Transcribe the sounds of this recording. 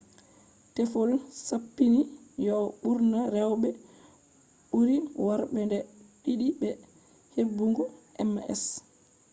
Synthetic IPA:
tɛfolsapːinijɔɓuɾnaɾɛwɓɛ | ɓuɾiwaɾɓɛndɛɗiɗibɛ | hebːuŋɡɔʔɛmɛ̰s

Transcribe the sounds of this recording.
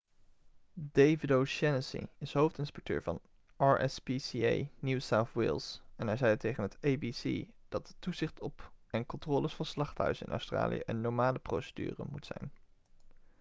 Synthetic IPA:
dejvɪdowʃɛnəsḭɪsɦowftɪnspɛk̚tø̰ːɹvɑ̰n | ʔɑɹʔɛ̰spisiḛjnuwsawθwɪ̰lˠsɛnɛɹzɛjətejχənɦətejbisḭd̥ɑt̚dətuzɪχtʰɔpɛnkɔntrɔːlˠəsfɑnslɑχtɦœ̰ɥzənɪ̰nʔœ̰wstra̰ːlḭjə̰ʔənːɔɹmaːləprowsə̥dy̰ːrə̰mutsɛ̰jn

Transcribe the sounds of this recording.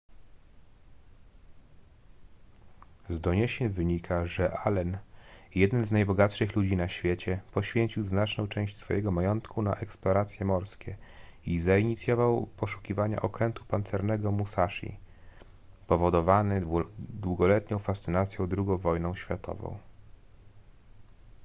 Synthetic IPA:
zd̪ɔɲɛɕɛnvɘɲikʰaʐɛʔalɛnjɛd̪ɛnznajbɔɡat̪ʂɘxlud͡ʑinaɕfʲjet͡ɕɛpɔɕfʲjeɲt͡ɕiwznat͡ʂnɔ̃w̃t͡ʂɛ̃w̃ɕt͡ɕsfɔjɛɡɔmajɔnt̪kʰuna̰ʔɛksplɔɾat̪sʲjɛmɔɾskʲɛizaiɲit̪sʲjɔvawpɔʂu̥kʲivaɲa̰ʔɔkɾɛnt̪u̥pant̪sɛɾnɛɡɔmusaʂḭ | pɔvɔd̪ɔvanɘd̪wuɡɔlɛt̪ɲɔ̃w̃fast̪sɘnat̪sʲjɔ̃w̃d̪ɾuɡɔ̃w̃vɔjnɔ̃w̃ɕfʲjat̪ʰɔ̰vɔ̰̃w̃

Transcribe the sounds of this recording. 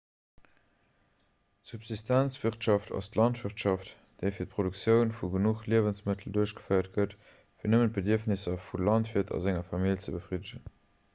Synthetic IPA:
tsupzistʰænt͡sv̥iχtʃɑftɑ̰stlɑntvəʁtʃɑft | d̥eɪfiːɐt̚pʰʁ̥odukt͡sjəʊnfuɡənuχliəvənsmətʰəl̩duɐɕɡ̥ə̥fəɪɐt̚ɡət | fiːɐnəmənt̚b̥ədiəfnɪsɐfulɑntviɐtʰɑ̰zæŋɐfɑmilt͡səbəfʁidəʑən

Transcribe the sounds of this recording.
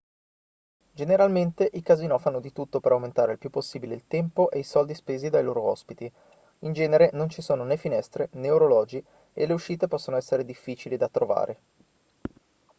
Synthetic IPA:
d͡ʒeneɾalment̪eʔikazinɔfanod̪it̪ut̪ːopeɾawment̪aːɾeilpjupːosːiːbileilt̪ɛmpoʔejsɔld̪ispeːzid̪ajloːɾoɔ̰spit̪i | ind͡ʒɛːneɾenont͡ʃisoːnonɛfinɛst̪ɾeneuɾolɔːd͡ʒi | ḛleuʃːiːt̪epɔsːonoɛsːeɾed̪ifːiːt͡ʃilid̪at̪ɾova̰ːɾʔe

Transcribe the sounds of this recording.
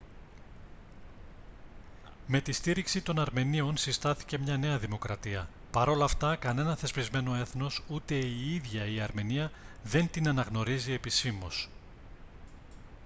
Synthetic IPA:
me̞t̪ist̪iɾiksit̪o̞nɐɾme̞nio̞nsist̪ɐθi̥ce̞mɲɐne̞ɐðimo̞kɾɐt̪iɐ | pɐɾo̞lɐft̪ɐkɐne̞nɐθe̞spizme̞no̞e̞θno̞sut̪e̞iiðʝɐiɐɾme̞niɐðe̞nt̪inɐnɐɣno̞ɾizie̞pisimo̞s

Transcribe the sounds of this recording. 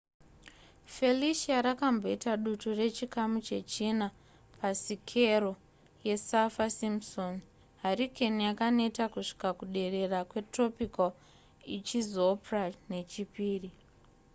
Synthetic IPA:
fe̞liʃiaɾakambo̞itaɗuture̞t͡ʃikamut͡ʃe̞t͡ʃina | pasikʰe̞ɾo̞ | je̞safasimson | ɦarikʰenijakanetakuʂi̥kakuɗe̞re̞rakwe̞tro̞pikal | it͡ʃizoprane̞t͡ʃipiːri

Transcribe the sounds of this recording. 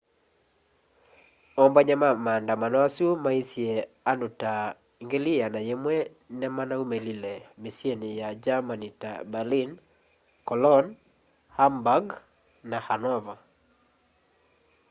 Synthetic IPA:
ɔmbaɲamamandamanɔasumaisje | anduta | ŋɡelijanajemwɛ | nɛmanaumelilemisjenijad͡ʒamanita̰balin | kɔlɔn | hambaɡ | nahanɔva

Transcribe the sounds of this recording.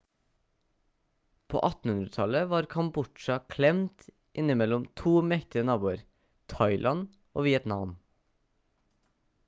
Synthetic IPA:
pʰo̰ːʔɑt̪n̩hʉnɾət̪ʰɑləʋɑːɾkʰɑmbʊʈʃɑkʰlɛmt̪ | ʔɪnɪmɛlɔmt̪ʰuːmɛkt̪ɪənɑːbuːəɾ | t̪ʰɑɪlʔɑn | ʔo̰ːʋiːət̪nɑʋn

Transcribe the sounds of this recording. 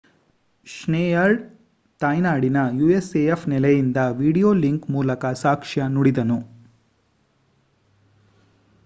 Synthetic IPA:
ʂneːjɐɭ | t̪ajnaːɽinɐjuːeseefnɛlɛjind̪ɐʋiːɽijoːliŋkmuːlɐkɐsaːkʂɐnuɽid̪ɐnu

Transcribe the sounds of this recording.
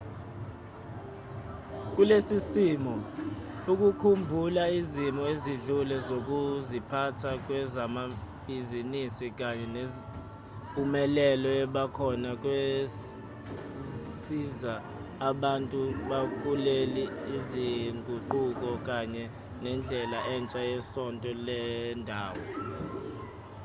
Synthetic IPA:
k̬ulesisimɔ | uk̬ʼukʰumbʱulaizimɔeziɮulɛzok̬uzipʰatʰak̬wɛzamab̥ʱizinisik̬aɲɛn | pʼumɛlɛlɔɛɓakʰɔnak̬ʼwe | sizaː | ɓantʼuɓak̬ʼuleliːziŋɡʱuǃuk̬ʼɔk̬aɲɛ | nɛnd͡ɮʱɛlaʔɛnt͡ʃʼajɛsɔntʼɔlɛndʱaːwɔ

